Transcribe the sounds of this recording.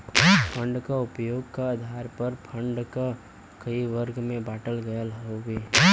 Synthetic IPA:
pʰə̃ɳɖkaʊpjoːɡkaəd̪ʱaːɾpəɾpʰə̃ɳɖka | kɐiʋəɾɡmẽbaːʈəlɡəjəlɦoɡeː

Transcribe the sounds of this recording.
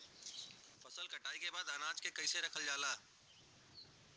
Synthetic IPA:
fɐsəlkɐʈaːikebaːd̪ənãːt͡ʃkekɐiːseɾɐkʰəld͡ʒaːlaː

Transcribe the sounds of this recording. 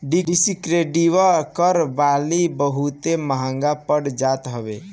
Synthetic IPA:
ɖiisikɾeɖiʋakəɾbalibəɦut̪eməɦãŋɡapəɽd͡ʒat̪ɦəbḛ

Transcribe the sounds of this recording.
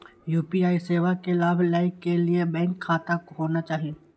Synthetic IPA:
juːpiaːiseːʋakelaːbʱlaːɪkːeliebɛ̃ːŋkʰːaːt̪akɦoːnat͡ʃaːɦie

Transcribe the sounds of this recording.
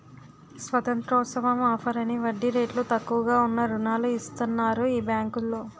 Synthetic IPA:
sʋɐt̪ɐnt̪ɾɔːsɐʋɐmaːpʰɐɾɐniʋɐɖːiɾeːʈlut̪ɐkːuʋɐɡaːunːɐɾunaːluist̪ɐnːaːɾuiːbjaːŋkulːoː

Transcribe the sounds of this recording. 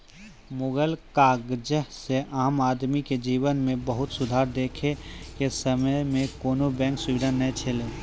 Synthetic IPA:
mʊɡəlkaːɡd͡ʒəseʔaːmaːd̪miked͡ʒiːʋənmẽbəɦʊt̪sʊd̪ʱaːɾd̪eːkʰekesəməjmẽkoːnobɛ̃ːŋksʊʋid̪ʱanəɦẽt͡ʃʰeleː

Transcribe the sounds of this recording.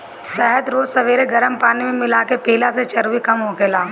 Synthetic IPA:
sɛɦət̪ɾoːd͡ʒsɐʋeːɾeɡɐɾəmpaːnimẽmɪlakepeːlaset͡ʃɐɾʋikɐmɦokeːlaː

